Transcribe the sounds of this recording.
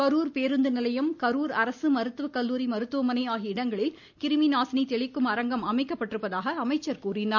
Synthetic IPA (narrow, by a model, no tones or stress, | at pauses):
kɐɾuːɾpeːɾɯnd̪ɯnɪlɐjɐmkɐɾuːɾɐɾɐsɯmɐɾɯt̪ːɯʋɐkɐlːuːɾimɐɾɯt̪ːɯʋɐmɐnɐɪaːɣiɪɽɐŋɡɐɭɪl | kɪɾɯminaːsnit̪ɛɭɪkːɯmɐɾɐŋɡɐmɐmɐɪkːɐpːɐʈːɪɾɯpːɐðaːɣɐːmɐɪt͡ʃːɐɾkuːrɪnaː